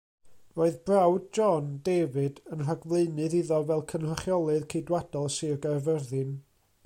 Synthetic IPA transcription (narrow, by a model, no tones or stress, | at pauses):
roːɨðbrawd̚d͡ʒɔndevɨdənr̥aɡvlˠeɨnɨðiðɔvɛlˠkʰənraχjɔlˠɨðkʰejdwad̥ɔlˠsɨrɡarvɛrðɨn